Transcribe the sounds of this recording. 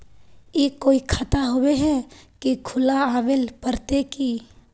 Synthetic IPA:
jeːkoːikʰət̪aɦoweɦɛkikʰʊlaaːʋelpəɾt̪ekiː

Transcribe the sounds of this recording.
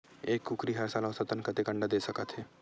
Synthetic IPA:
eːkːukɾiɦɐɾsaːlãsət̪ənkɐt̪ekə̃ɳɖad̪eːsɐkət̪ʰɦeː

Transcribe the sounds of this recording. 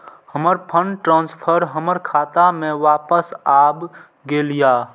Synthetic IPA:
həməɾpʰəɳɖʈɾãːnspʰəɾɦəməɾkʰaːt̪amẽʋaːpəsaːb | ɡelijaː

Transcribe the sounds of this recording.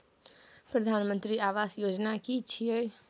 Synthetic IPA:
pɾəd̪ʱanmənt̪ɾiaʋasjod͡ʒnakit͡ʃʰije

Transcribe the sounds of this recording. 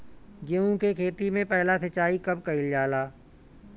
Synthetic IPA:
ɡeũkekʰeːt̪imẽpɛɦlasɐt͡ʃaːikɐb̚kɐɪljaːlaː

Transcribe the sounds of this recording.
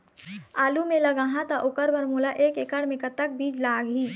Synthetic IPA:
aːlumẽlɐɡaːɦãt̪aʔʊkəɾbəɾmulaʔeːkekəɽmẽkət̪ːək̚biːd͡ʒlaːɡɦiː

